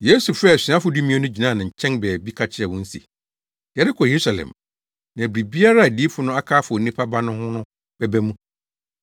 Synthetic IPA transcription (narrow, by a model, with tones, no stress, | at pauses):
je˦su˨fɾɛ˦˨æ˨si˨˦ã˦fʊ˨du˦mĩ˦ɛ˦nʊ̃˦d͡ʑi˨nã˦˨nã˨ɲ̩˨t͡ɕʰɛ̃˦nbɛː˨bi˦kʰa˦t͡ɕʰɪ˦ɛ˨wʊ̃˦n̩˦sḭ˨ | jɛ˨ɾɪ˦kʰɔ˨je˨ɾu˦sa˨lɛ̰̃˨m | nã˨æ˨bɾi˨bi˦a˦ɾa˦˨di˦fʊ˨nʊ̃˦a˦kʰaː˦fʊ˨ɔ˨nĩ˦pʰa˦ba˦nʊ̃˦hʊ̃˦nʊ̃˦ | b̥ɛ˦bæ˦mũ˦